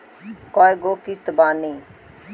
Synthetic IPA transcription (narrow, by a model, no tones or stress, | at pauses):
koːjɡoːkist̪baːnĩː